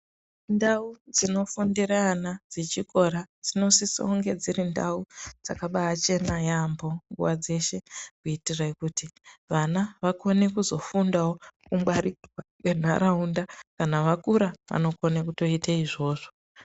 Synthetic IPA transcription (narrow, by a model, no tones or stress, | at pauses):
ndaud͡zino̞fundiranad͡zet͡ʃiko̞ɾad͡zino̞siso̰uŋɡe̞d͡zirinda̰ud͡zakaɓaːt͡ʃe̞najambo̞ŋɡṵʋad͡ze̞ʃe̞kuitiraikutiʋanaʋako̞ne̞kuzo̞fundawokumbwariwakwen̤a̰ɾaundakanaʋakuɾaʋa̰no̞ko̞nekuto̞itʰaiʐo̞ːʐo̞